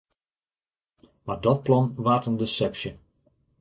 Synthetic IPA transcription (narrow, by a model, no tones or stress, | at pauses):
madɔt̚plɔnʋaːtəndəsɛpsjə